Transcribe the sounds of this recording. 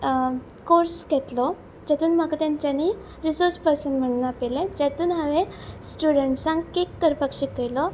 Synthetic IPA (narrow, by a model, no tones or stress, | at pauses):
koɾsɡʱɛt̪lɔ | d͡ʑɛt̪uːnmakat̪jãɲt͡ɕani | ɾisoɾspəsəmm̤əɳnapɛled͡ʑɛt̪uːnɦaʋẽsʈuɽəɳʈsãŋɡkekːəɾpəkɕikəjlɔ